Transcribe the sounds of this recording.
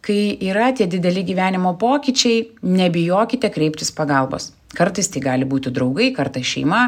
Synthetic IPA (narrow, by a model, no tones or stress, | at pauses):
kɐɪiːɾɐt̪ʲiɛd̪ʲɪd̪ʲɛlʲɪɡʲiːʋʲæːnʲɪmoːpoːkʲit͡ʃʲɛɪnʲɛbʲɪjoːkʲɪt̪ʲɛkɾʲɛɪpʲt̪ʲɪspɐɡɐlˠbo̰ːs | kɐɾt̪ɐɪst̪ʲɐɪɡɑːlʲɪbuːt̪ʲɪd̪ɾɐʊɡɐɪkɐɾt̪ɐɪsʃʲɛɪmɐ